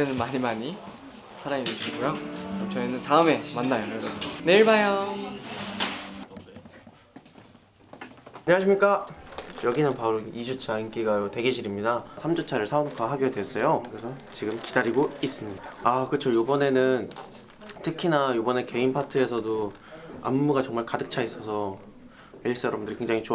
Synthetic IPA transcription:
enɯnmaɲimaɲi | sʰaɾaŋinɯɕuɕiɡojot͡ɕʌinɯntaɯme̞manːajoʌɡʌne̞iɭbajʌ | aɲeŋaɕ̬ʰimɲik͈ajʌɡinɯnpauɾoid͡ʑut͡ɕʰaink͈iɡajotwe̞ɡeɕʰiɾimɲidasʰamd͡ʑot͡ɕʰaɾɯɭsʰaonkʰaɦaɡoɡadwes͈ʌjokɯɾesʰʌt͡ɕiɡɯmkidaɾiɡois͈ɯmɲid̥aakɯt͡ɕʰojobʌne̞nɯn | tʰɯkʰinajobʌne̞ke̞inpʰatʰɯe̞sʰʌdo | a̰mːuɡat͡ɕʌŋmaɭkadɯk̚t͡ɕʰais͈ʌsʰʌ | eɭs͈ʌɾʌabundɯɾike̞ŋd͡ʑaŋit͡ɕo

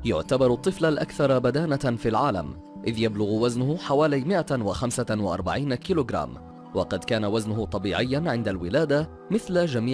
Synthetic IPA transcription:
jʊ̰ʕt̪abɑɾˤʊt̪ˤːɨflalʔakθɑɾˤbad̪aːnafilʕaːla̰m | ʔɪðjablʊɣwaznʊhħawaːlajmɪʔawaxamsawaʔɑ̰ɾˤba̰ʕiːnakiːloːɡɾˤa̰ːm | wɑqɑd̪kaːnawaznʊɦʊt̪ˤɑbiːʕɪjːanʕɪnd̪alwɪlaːd̪a | mɪθlad͡ʒamiː

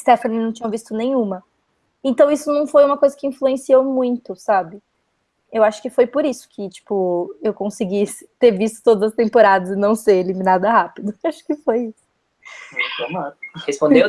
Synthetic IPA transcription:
st̪efɐ̃nnɐ̃w̃t͡ʃĩɲɐ̃vist̪ʊnẽj̃ũmɐ | ẽnt̪ɐ̃w̃isʊnɐ̃w̃fojũmɐkojzɐkɪĩfluẽsiewmũj̃t̪ʊsabɪ | ewaʃʊ̥kɪfojpʊɾisʊ̥kʰɪt͡ʃi̥pʊewkõsɪɡit̪eɾvist̪ʊ̥t̪od̪ɐzɐst̪ẽpoɾad̪ɐzɪnɐ̃w̃seɾeliminad̪ɐhapid̪ʊaʃʊ̥kɪfojisʊ̥ | ẽt̪ɐ̃mɐ̃nhespõdd̪e

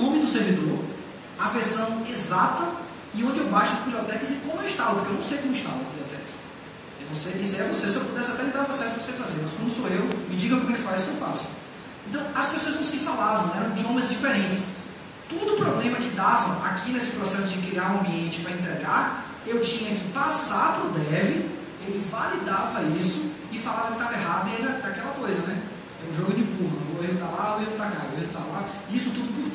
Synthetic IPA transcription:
kõmɪ̃d̪ʊseɾvid̪oɾ | ɐveɾsɐ̃w̃ezat̪ɐ | ɪõnd͡ʒɪewbaʃʊd̪ʊbibljɔt̪ɛkɐszɪkõmʊewiʃt̪alɐpoɾkewñsejkõmʊɪʃt̪a̰vɐd̪ʊbibljɔt̪ɛ̰kɐs | ɛvoseʔisɪɛvosesepod̪ɛsɪat̪ɛlid̪aɾpɾɔsɛsʊɾvosefazeɾmɐskwɐ̃nd̪ʊsoewmɪd͡ʒiɡɐ̃kkelɪfajskewfa̰sʊ̥ | ẽnt̪ɐ̃w̃ɐspesoɐznɐ̃w̃sɪ̃falavɐ̃w̃ɛɾɐ̃w̃d͡ʒɪõmẽzd͡ʒifeɾẽnt͡ʃɪ̥s | t̪od̪ʊːpɾɔblẽmɐkɪd̪avɐakʰinesɪpɾɔsɛsʊd͡ʒɪkɾiaɾuɐ̃mbiẽnt͡ʃɪpɾɐẽnt̪ɾeɡaɾ | ewt͡ʃĩɲɐkɪpasaɾpɾʊd̪ɛvɪ | elɪvalid̪avɐisʊ | ɪfalavɐkɪt̪avɐɛɦad̪ʊed̪ɐd̪akɛlɐkojzɐnɛ | ɛũʒoɡʊd̪ɪbuɦɐɐoelɪt̪alaoevɪt̪akaoelʊt̪avɐla | ɪisʊt̪ud̪ʊpuɾ

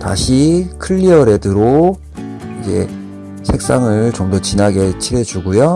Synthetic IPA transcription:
ta̰ɕʰikʰɯʎːiʌɾe̞dɯɾo | id͡ʑe̞̰ | sʰe̞k̚s͈aŋɯɭt͡ɕomdʌt͡ɕinaɡe̞t͡ɕʰiɾe̞d͡ʑuɡujo

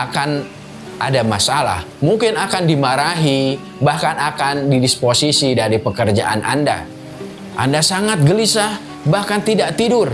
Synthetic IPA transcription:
akan | ʔadamasala̰h | muŋkɪnakandimaɾaɦi | bahkanakandidisposisidaɾipəkərd͡ʒa̰ʔana̰nda̰ | ʔa̰ndasaŋat̪̚ɡəlisa | bahkant̪idaʔt̪idʊr

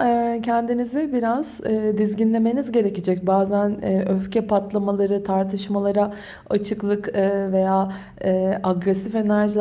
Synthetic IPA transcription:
ɛcʰɛnd̪inizibiɾaz̥ɛːd̪izɟinlʲe̞me̞nizɟe̞ɾe̞ced͡ʒɛc̚baːzænɛøfcɛpʰat̪lˠamalˠaɾɯt̪ʰaɾt̪ʰɯʃmalˠaɾa | at͡ʃʰɯklˠɯkːve̞jaː | ɛːʔaɡɾɛsife̞næɾʒilʲ

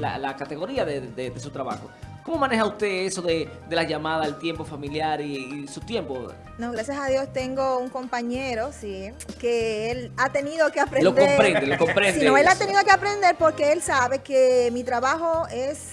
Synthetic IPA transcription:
la̰lakat̪e̞ɣo̞ɾiaðeðed̪esut̪ɾaβa̰xoko̞mo̞mãne̞xaust̪e̞eso̞ðeðe̞laʝamaðaelt̪je̞mpo̞familjaɾiːsut̪je̞mpo | noɣɾasjasaðjo̞st̪e̞ŋɡo̞uŋko̞mpaɲeɾo̞sikeelat̪e̞niðokeapɾẽlodk̪ompɾend̪elokompɾensinoelat̪e̞niðokeapɾe̞nd̪e̞ɾpo̞ɾke̞elsaβe̞kemit̪ɾaβaxo̞es

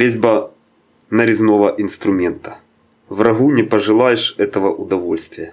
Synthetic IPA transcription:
ɾʲezʲbɐ | nɐɾʲɪznovɐʔinst̪ɾʊmʲent̪ɐ̥ | vrɐɣunʲɪpɐʐɨlˠajɪʂɛt̪ɐvɐʔʊd̪ɐvo̞lʲsʲt̪vʲɪjɛ

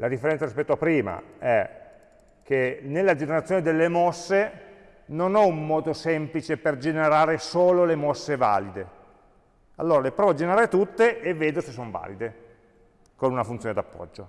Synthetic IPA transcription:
lad̪ifːeɾɛnt̪saɾispɛt̪ːoapːɾiːma̰ɛ | kenelːad͡ʒeneɾat̪sjoned̪elːemɔsːe | nonɛumːɔːd̪osɛmplit͡ʃeperd͡ʒeneɾaːɾesoːlolemɔsːeva̰ːlid̪e | alːoːɾalepɾɔːvoad͡ʒeneɾaːɾet̪ut̪ːeʔːvːeːd̪osesːoɱva̰ːlid̪e | konunafunt̪soned̪apːɔ̰d͡ʒːo

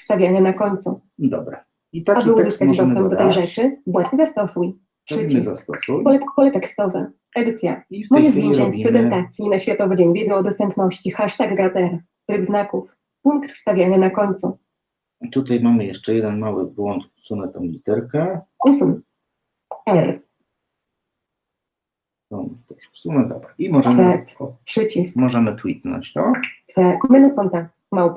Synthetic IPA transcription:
fst̪avʲjanɛnakɔɲt̪sṵ | d̪ɔ̰bɾa | it̪aabɨwzɔst̪ad͡ʑd̪ɔɛmd̪ɔt̪ɛjʐɛt͡ʂɘbwɛt̪zast̪ɔsuj | ʂɛzast̪ɔsujbɔlɛt̪kkɔlɛt̪ɛkst̪ɔvɛ̰ | ʔɛd̪ɘt̪sʲja̰mɔjɛzvʲizɛɲspɾɛzɛnt̪at̪sʲjinaɕfʲjat̪ɔvɨd͡ʑɛɲvʲjɛd̪zɛɔd̪ɔst̪ɛmpnɔɕt͡ɕixaʂt̪aɡɾat̪ɛɾ | t̪ɾɘɡznakuf | puŋkt̪fst̪avʲjanɛnakɔɲt̪sṵ | t̪ut̪ajmamɘjɛʂt͡ʂɛjɛd̪ɛnmawɘ̰bwɔnt̪usunɛt̪amlʲit̪ɛɾkɛusun | ɔnt̪ɛ | sunɛd̪ɔbɾaimɔʐɛmfɛkt̪pʂɘt͡ɕismɔʐɛmɘt̪wit̪nɔ̰ɲt͡ɕt̪ɔt̪fɛkmɘnakɔnt̪ak | maw

